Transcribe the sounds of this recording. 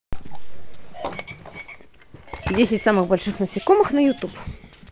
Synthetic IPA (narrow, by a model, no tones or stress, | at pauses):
dʲisʲɛtʲsamɨɣbɔlʲʃɨxnɐsʲikɔmɪxnɐjʊt̪up